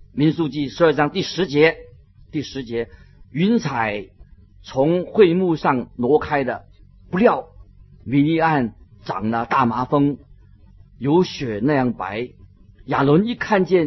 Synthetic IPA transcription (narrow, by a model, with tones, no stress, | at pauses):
mi˧˥nsu˥˧t͡ɕi˥˩ʂɻ̩˧˥ə˞˥˩ʈ͡ʂɑ˥ŋt̪i˥˩ʂɻ̩˧˥t͡ɕjɛ˧˥ | t̪i˥˩ʂɻ̩˧˥t͡ɕjɛ˧˥y˧˥nt͡sʰa˨˩ɪ | t͡sʰʊ˧˥ŋxwe˥˧ɪmu˥˧ʂɑ˥˩ŋnwɔ˧˥kʰa˥ɪd̪ə̰˨ | pu˧˥ljɑ˥˩ʊmi˧˥ni˥˧a˥˩n | ʈ͡ʂɑ̰˨˩ŋlə˦˧t̪a˥˩ma˧˥fɤ˥ŋ | jo˧˥ʊɕɥɛ˨˩na˥˧jɑ˥˩ŋpa˧˥ɪ | ja˨˩lwə˧˥ni˥˩kʰa˥˧nt͡ɕjɛ˥˩n